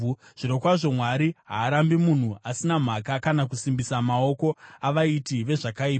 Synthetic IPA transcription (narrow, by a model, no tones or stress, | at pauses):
ʐ̥iɾokwaʐo̞mwaɾiɦa̰ːɾambimun̤uasinam̤akakanakusimbisamao̞ko̞aʋaitiʋe̞ʐakaiːpa